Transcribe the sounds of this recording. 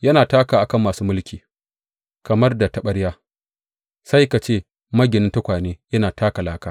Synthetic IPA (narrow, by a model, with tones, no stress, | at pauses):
jɐ˦naː˨taː˦kaː˨ʔa˨kɐ˦˨mːaː˨suː˦mʊ˦lkʲiː˨ | kɐ˨mɐ˦rda˨tɐ˨ɓɐ˦ɽjaː˦ | sa˦jka˨t͡ʃeː˦˨ | mɐ˦ɡʲɪ˨nɪ˦ntɐ˦kʷaː˨neː˦jɐ˦naː˨tʰaː˦ka˨laː˦kaː˦